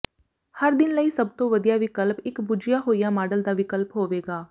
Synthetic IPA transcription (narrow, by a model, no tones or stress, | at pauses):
həɾd̪ɪnləiːsəbt̪õːʋəd̪ijaːʋɪkəlpɪkbʊd͡ʒɪjaːɦoːijaːmaːɖəld̪aːʋɪkəlpɦoːʋeːɡaː